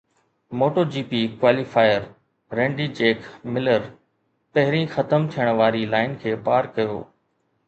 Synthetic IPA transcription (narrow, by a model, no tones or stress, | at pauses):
moːʈoːd͡ʑiːpiːkʋaːlifaːɪəɾ | ɾẽːɳɖiːd͡ʑeːkmɪləɾ | pɐɦɪɾĩːxɐt̪əmt̪ʰijəɽ̃ʋaːɾilaːɪnkʰeːpaːɾkɐjo̰ː